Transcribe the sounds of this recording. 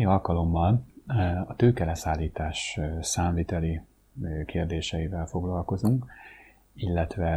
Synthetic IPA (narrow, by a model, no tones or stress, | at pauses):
iɒlkɒlo̞mːɒl | ɒt̪øːkɛlɛsaːlːiːt̪aːʃsaːmliːt̪ɛli | keːrd̪eːʃɛjivɛlfo̞ɡlɒlko̞zuŋk | ilːɛt̪ʋɛ